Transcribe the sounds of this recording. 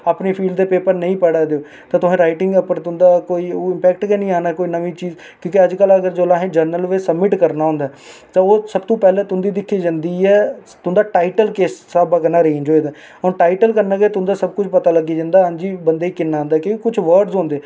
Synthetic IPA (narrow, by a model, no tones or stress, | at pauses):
aːpniːpʰiːlɖd̪eːpeːpəɾnə̃ĩːpɛɽaːd̪eoː | tt̪ãːt̪ʊsẽːɾaːɪʈɪŋɡəpəɾt̪ʊnd̪aːkoːiːoːɪmpɛːk̚ʈɡɛːnĩːaːnaːkoːiːnəʋiːt͡ʃiːz | kjõːkɪəd͡ʒkələɡəɾd͡ʒoːlaːɦẽːd͡ʒəɾnəlʋeːsəbmɪʈkəɾnaːɦõːnd̪aː | t̪ãoːsəbt̪õːpɛːlẽːt̪ʊnd̪iːd̪ɪkʰːiːd͡ʒãːnd̪iːɛːt̪ʊnd̪aːʈaːɪʈəlkeːsːaːbaːkənaːɾeːnd͡ʒoːeːd̪aː | ɔːɾʈaːɪʈəlkəɾnãːɡeːt̪ʊ̃nd̪aːsəb̚kʊt͡ʃʰpət̪aːləɡiːd͡ʒãːnd̪aːɦə̃nd͡ʒiːbənd̪eːiːkɪnːãːnd̪aːkõkʊt͡ʃʰʋəɾɖzɦõːnd̪eː